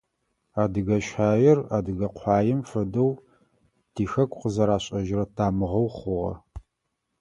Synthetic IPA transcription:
aːdɨɣɐɕħaːjɪraːdɨɣɐqʷʰɑːjɪmfɐdɐw | tʰiːxɐkʷʰʼqəzɐɾaːɕʼɐʒɪrɐtʰaːmɨʁɐwχʷʊʁɐ̰

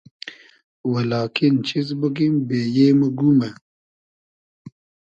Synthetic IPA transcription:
wɐlɑːkint͡ɕʰizbəɡimbeːjeːməɡume

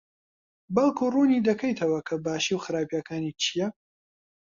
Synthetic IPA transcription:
bɐlˠkʰuːruːniːd̪ɐkʰɐjt̪ʰɐwɐkʰɐbaːʃiwxɨɾaːpijakʰaːnit͡ʃʰijɐ

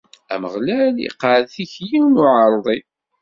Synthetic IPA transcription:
æ̰məʁlælḭqːəɾðθiçjiwnʊʕɑɾˤðˤi

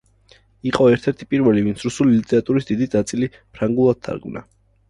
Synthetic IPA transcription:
iqʼɔɛɾt̪ʰɛɾt̪ʰi̥pʼiɾvɛlivint̪sʰɾusulilit̪ʼɛɾat̪ʼuɾisd̪id̪inat̪sʼili | pʰɾaŋɡulˠad̪̥̚t̪ʰa̰ɾɡmna̰

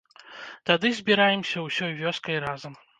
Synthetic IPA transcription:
t̪ad̪ɨzʲbʲiɾajɛmsʲɐwsʲɔjvʲɔskɐjɾazɐm

